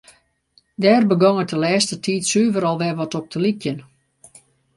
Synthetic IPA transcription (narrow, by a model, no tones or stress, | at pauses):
dɛːrbəɡɔŋətəlɛːstətʰiːtsyːvəɾɔlˠʋɛʋɔtɔp̚tʰəlikjən